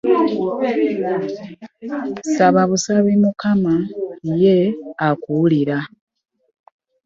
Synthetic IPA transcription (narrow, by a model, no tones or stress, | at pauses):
saβaβusaβimukamaje̞akuliɾa